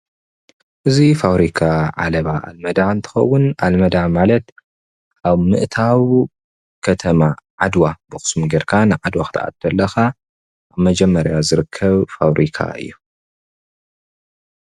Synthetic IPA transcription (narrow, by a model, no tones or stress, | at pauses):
ʔɨzifawɾikʰaʕa̰lɐβaʔa̰lmɐd̪aɨnt̪ʰɨ̥xɐ̰wːʊnʔalmɐd̪amalɐt̪ | ʔaβmɨʔɨt̪ʰaw | kʰɐt̪ʰɐmaʕad̪wabɨxɨ̥smuɡeɾkʰanɨʕad̪waxɨ̥t̪ʰaʔa̰t̪ːɐlːɐxa | ʔaβmɐd͡ʒɛmːɐɾjazɨɾɨkʰːɐβfawɾʔikʰa̰ɨ̰jːu